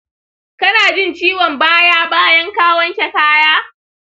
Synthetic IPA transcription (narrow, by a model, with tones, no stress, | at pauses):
kɐ˦naː˨d͡ʒɪ˦nt͡ʃiː˦wɔ˨mbaː˦jaː˦baː˦jɐ˦ŋkaː˦wɐ˦ŋkʲɛ˨kaː˦jaː˦